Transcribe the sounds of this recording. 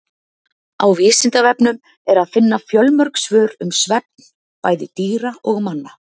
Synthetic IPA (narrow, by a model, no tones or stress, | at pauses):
a̰wvɪːsɪnt̪avɛpnʏm | ɛɾaðfɪnːafjœlmœɾksvœːɾʏmsvɛp̚nn | paːjðɪt̪iːɾaɔɣmanːa